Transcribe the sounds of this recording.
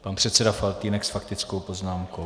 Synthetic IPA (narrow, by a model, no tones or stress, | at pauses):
panpr̥ɛt̪t͡sɛdafalt̪iːnɛksfakt̪ɪt͡sko̞wpo̞znaːmko̞